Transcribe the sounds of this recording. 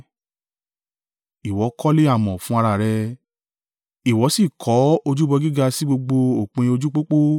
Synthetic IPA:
i˨wɔ˨˦kʰɔ˦le˦a˦˨mɔ̃˨fũ˨˦a˧ɾa˧˨ɾɛ˧ | i˨wɔ˨˦si˦˨kʰɔ˨˦o˧d͡ʒu˦bɔ˧ɡi˦ɡa˧si˦ɡ͡bo˧ɡ͡bo˧o˨k͡pẽ˧o˧d͡ʒu˦k͡po˦k͡po˦

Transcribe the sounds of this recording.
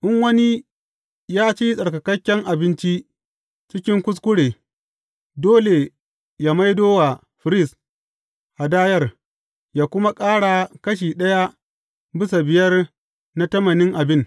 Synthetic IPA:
ʔɪ˦ŋwɐ˦ni˦ | jaː˦t͡ʃi˦sʼɐ˨ɽkɐ˨kɐ˦kʲːɛ˦ŋʔa˨bɪ˦nt͡ʃi˦ | t͡ʃɪ˦kʲɪ˦ŋkʷʊ˦s̬kʷʊ˦ɽeː˨ | doː˦le˨ | jaː˦ma˦jdoː˦wa˨ | ɸɪ˨ɾɪ˦s | ʔa˨daː˦jɐ˦˨r | jaː˦kʷʊ˦ma˦kʼaː˦ɽa˨kɐ˦ʃ̬iː˨ɗɐ˦ja˦ | bɪ˦sa˨bɪ˨jɐ˦r | na˦tɐ˦mɐ˨nɪ˦ŋʔa˨bɪ˦n

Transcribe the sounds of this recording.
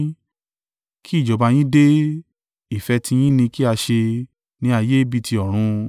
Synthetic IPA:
ki˦i˦˨d͡ʒɔ˨˦ba˧j̃ĩ˦de˦ | i˦˨fɛ˧tʰĩ˧j̃ĩ˦nĩ˧ki˦a˧ʃe˧ | nĩ˦a˧˨je˦bi˦˧ti˧ɔ˨ɾ̃ũ˧

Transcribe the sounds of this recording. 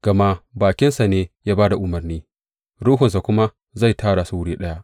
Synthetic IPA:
ɡ̥ɐ˨ma˦baː˨kʲɪ˦nsa˨neː˦jaː˦baː˦da˨ʔʊ˨mɐ˨rniː˦ | ɽuː˦ɦʊ˨ns̬a˨kʷʊ˦ma˦ | za˦˨jtʰaː˦ɽa˨su˦wʊ˦ɽiː˦ɗɐ˦ja˦ʔ

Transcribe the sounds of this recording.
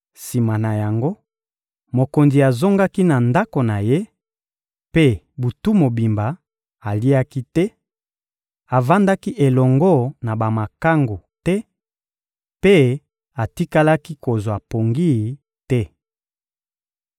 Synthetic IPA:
si˨ma˨na˨ja˨ŋɡo˦ | mo˨ko˨nzi˨a˨zo˦ŋɡa˦ki˦na˨nda˦ko˨na˨je˦ | pe˦ | bu˨tu˦mo˨bi˨mba˨ | a˨li˦a˦ki˦tɛ˦ | a˨va˦nda˦ki˦ʔe˨lɔ˨ŋɡo˦na˨ba˨ma˨ka˦ŋɡo˨tɛ˦ | pe˦ | a˨ti˦ka˦la˦ki˦ko˨zwa˨po˨ŋɡi˦ | tɛ˦

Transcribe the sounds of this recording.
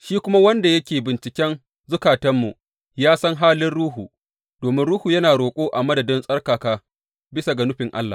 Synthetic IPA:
ʃiː˦kʷʊ˦ma˦wɐ˦nda˨jɐ˦kʲeː˨bɪ˨nt͡ʃɪ˨kʲɛ˦n | zʊ˦kaː˨tɐ˦mːu˨ | jaː˦sɐ˦ŋɦaː˦lɪ˦nɽuː˦ɦuː˨ | d̥oː˨mɪ˦nɽuː˦huː˨jɐ˦naː˨ɾoː˨kʷʼoː˦ʔa˨mɐ˦dɐ˨dɪ˦nsʼɐ˦rkaː˨kaː˦ | bɪ˦sa˨ɡɐ˨nʊ˦ɸɪ˨ŋʔa̰˦lːa̰˨

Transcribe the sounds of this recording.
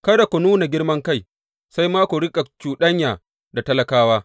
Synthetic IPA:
kɐ˦da˨kʷo˨nuː˦na˨ɡʲɪ˦ɽmɐ˦ŋka˦j | sa˦jmaː˦kʷo˨ɽɪ˦kʼa˨t͡ʃuː˨ɗɐ˦ɲjaː˨ | da˨tɐ˦lɐ˨kaː˦waː˦

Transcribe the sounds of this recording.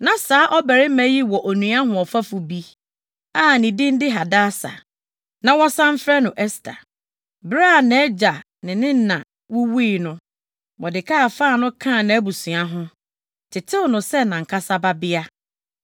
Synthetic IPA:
nã˨saː˦ʔɔ˦bɛ˨ɾɪ˦mɛ̃˨˦ji˦wɔ˨ʔo˨nũ˨a˦ɦʊ̃˨ɔ˨fa˦fu˨bi˦ | aː˦˨nɪ̃˨dɪ̃˦n˦dɪ˦ɦa˨daː˦sa̰˨ | nã˨wɔ˦sã˦m̩˦fɾɛ˦nʊ̃˨ʔɛ˦stʰa̰˨ | bɾa˦˨nɛ̃˦d͡ʑa˨ | nɪ̃˨nɪ̃˦n̩˦nã˨ | wu˦wi˦˨nʊ̃˦ | wɔ˨dɪ˨kʰa˦a˨faː˦˨nʊ̃˦kʰã˦˨nã˨æ˦bu˨sũ˨a˨ɦʊ̃˦ | tʰɪ˨tʰɪ˦ʊ˨nʊ̃˨sɛ˦nã˨ŋ̩˨kʰa˦sa˦ba˦bɪ˦a˦

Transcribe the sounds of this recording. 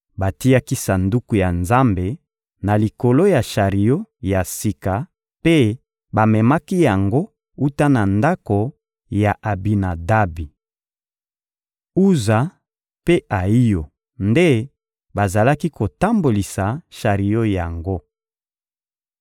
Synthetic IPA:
ba˨ti˦ja˦ki˦sa˨ndu˦ku˨ja˨nza˦mbe˨ | na˨li˨ko˨lo˦ja˨ʃa˨ʁi˨jo˦ja˨si˨ka˨ | pe˦ | ba˨mɛ˨ma˦ki˦ja˨ŋɡo˦ | u˦ta˦na˨nda˦ko˨ | ja˨ʔa˨bi˨na˨da˦bi˨ | u˦za˨ | pe˦ʔa˨i˦jo˨ | nde˦ | ba˨za˨la˦ki˦ko˨ta˦mbo˨li˨sa˨ʃa˨ʁi˨jo˦ja˨ŋɡo˦

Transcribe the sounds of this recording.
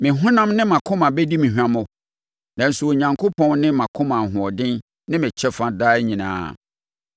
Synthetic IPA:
mɪ̃˨ɦʊ̃˦nã˦mnɪ̃˦mã˨kʰʊ̃˦mã˨bɛ˦di˦mĩ˨ɦᶣu˨ã˨mʊ̃˨ | nã˨n̩˨su˨o˨ɲã˨ŋkʰo˦pʰɔ̃˦nnɪ̃˦mã˨kʰʊ̃˦mã˨ɦʊ̃˨ɔ˨dɪ̃˦n | nɪ̃˦mɪ̃˨t͡ɕʰɛ˦fã˨daː˦ɲĩ˨nã̰ː˨˦˨

